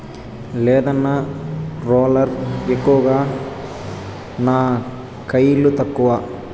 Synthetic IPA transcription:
lɛːd̪ɐnːaɾoːlɐɾekːuʋɐɡaː | naː | kɐjilut̪ɐkːuʋa

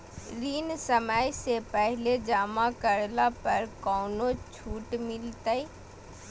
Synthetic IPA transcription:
ɾiːnsəməjsepɛɦled͡ʒaːmãkəɾlapɐɾkɔːnot͡ʃʰuːʈmɪlt̪əi

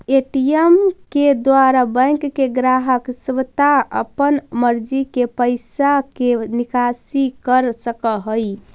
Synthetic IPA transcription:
eʈiemked̪waɾabə̃jŋkːeɡɾaɦəksʋt̪aə̰pənməɾd͡ʒikepəjsakenikasikəɾsəkəɦoj

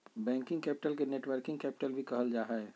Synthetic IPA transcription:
bɛ̃ːŋkɪ̃ŋɡkɛːpɪ̥ʈəlkeneːʈʋəɾkɪ̃ŋɡkɛːpɪ̥ʈəlbʱikəɦəld͡ʒaːɦɛe

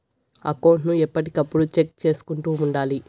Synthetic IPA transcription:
ɐ̰kɐwɳʈnuɛpːɐʈikɐpːuɽut͡ʃek̚t͡ʃe̞ːsu̥kuɳʈuːuɳɖaːli

